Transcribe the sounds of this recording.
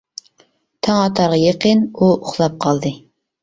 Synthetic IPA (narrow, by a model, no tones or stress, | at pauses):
t̪ʰɑŋɑt̪ʰɑɾʁɑjeqənuʊχlˠɑp̚qʰɑlˠd̪ɨ